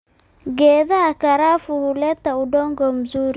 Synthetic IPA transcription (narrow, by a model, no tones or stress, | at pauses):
ɡɛðaːkaɾafuhulɛt̪audɔŋɡɔm̩zuɾi